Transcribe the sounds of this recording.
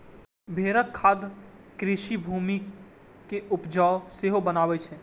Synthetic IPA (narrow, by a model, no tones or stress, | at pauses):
bʱeɾəkʰːad̪ | kɾiʃibʱumi | keʔupd͡ʒaoseɦobənabɛt͡ʃʰɛ